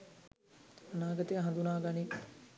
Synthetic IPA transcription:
anaːɡət̪ejaɦɐnd̪unaːɡani

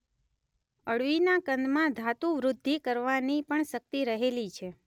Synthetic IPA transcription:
əɽʋinakənd̪mãd̪ʱat̪ũʋɾʊd̪ʱːikəɾʋanipəɳʃək̚t̪iɾəɦelit͡ʃʰe

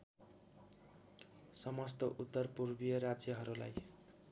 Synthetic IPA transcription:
sʌmʌst̪ʌʔut̪ːʌrpurbijʌɾad͡zjʌɦʌɾula̰j

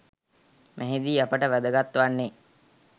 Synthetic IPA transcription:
mʔæɦid̪iːapəʈəʋæd̪əɡat̪ːʋanːe

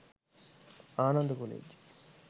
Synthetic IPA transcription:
aːnɐnd̪əkolḛːd͡ʒ

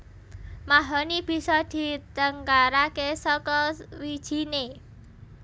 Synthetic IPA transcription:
maɦɔnib̥i̤sɔd̪̥i̤t̪əŋkaɾakesɔkɔwid̥ʒ̥i̤ne

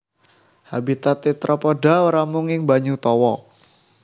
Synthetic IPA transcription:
habit̪at̪ːit̪ɾʔapɔɖawəɾamuŋɪŋbaɲut̪ɔwɔ

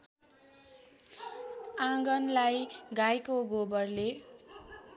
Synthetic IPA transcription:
ãɡʌnlajɡajkoɡobʌrle

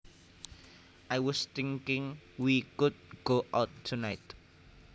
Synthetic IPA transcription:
ʔajwɔst̪ɪ̃ŋkɪ̃ŋwikʊd̚ɡ̥oʔaʊtʰːunaɪt

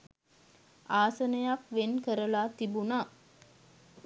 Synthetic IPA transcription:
aːsənəjakʋenkəɾəlat̪ibuna

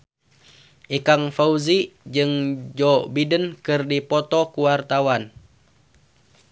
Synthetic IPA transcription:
ʔikaŋfauzid͡ʒɨŋd͡ʒɔbidənkɨrdipɔt̪ɔkuwart̪awan

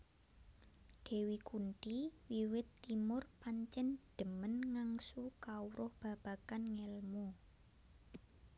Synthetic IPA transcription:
ɖ̥e̤wikunʈiwiwɪt̪ːimʊrpaɲt͡ʃɛnɖ̥ə̤mənŋaŋsukauɾʔʊhb̥ä̤b̥a̤kanŋɛlmo

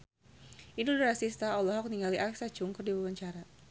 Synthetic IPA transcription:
ʔinudɾasist̪aɔlɔɦɔk̚niŋɡaliʔalɛksḁd͡ʒʊŋkɔrdiwawaɲt͡ʃaɾa

